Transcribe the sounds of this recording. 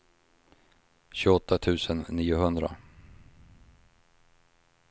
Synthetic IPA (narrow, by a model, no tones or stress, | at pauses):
ɕɵːɡɔt̪ʰːat̪ʰʉ̟ːsənːiːʊɦɵnd̪ɾa̰